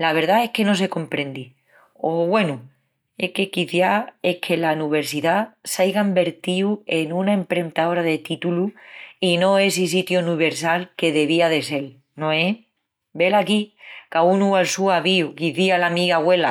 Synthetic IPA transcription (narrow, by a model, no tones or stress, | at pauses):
laβ̞e̞ɾðae̞hke̞no̞s̬e̞ko̞mpɾẽ̞nd̪i | oβwe̞nu | e̞ke̞kiθjae̞kʰe̞lanuβe̞ɾsiðasajɣaimbe̞ɾt̪iue̞nũnaempɾe̞nt̪ao̞ɾaðet̪it̪uluino̞e̞sis̬it̪jonuβe̞ɾsalke̞ðe̞β̞iaðe̞se̞l | nõe | be̞lakikaunualsuaβiukiθialamiɣaɣwe̞la